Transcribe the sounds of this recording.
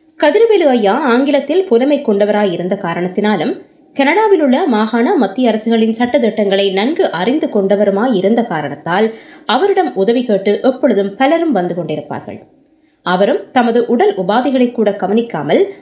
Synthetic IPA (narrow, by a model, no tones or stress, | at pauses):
kɐðɪɾɯʋelɯɐjːaːaːŋɡɪlɐt̪ːɪlpʊlɐmɐɪkːɔɳɖɐʋɐɾaːjɪɾɯnd̪ɐkaːɾɐɳɐt̪ːɪnaːlɯm | kɐnɐɽaːʋɪlɯɭːɐmaːɣaːnɐmɐt̪ːɪjɐɾɐsɯɣɐɭɪnsɐʈːɐðɛʈːɐŋɡɐɭɐɪnɐnɡɯʔɐrɪnd̪ɯkɔɳɖɐʋɐɾɯmaːjɪɾɯnd̪ɐkaːɾɐɳɐt̪ːaːlɐʋɐɾɯɽɐmʊðɐʋikeːʈːɯʔɛpːɔɭɯðɯmpɐlɐɾɯmʋɐnd̪ɯkɔɳɖɪɾɯpːa̰ːɾɣɐ̰ɭ | ɐʋɐɾɯmt̪ɐmɐðɯʔʊɽɐlʔʊbaːðɪɣɐɭɐɪkːuːɽɐɡɐʋɐnɪkːa̰ːmɐl